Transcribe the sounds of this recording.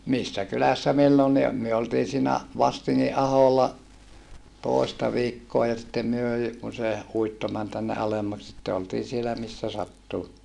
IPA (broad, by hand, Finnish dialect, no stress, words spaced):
misːæ kylæsːæ milːonːi o myø oltiː siːnæ ʋɑstiŋːi ʔɑholːɑ toˑistɑ ʋiːkːoɑ jɑ sitːem myø jy kun se uitːo mæn tænːe ʔɑlemːɑk sitːe oltiː sielæ misːæ sɑtːu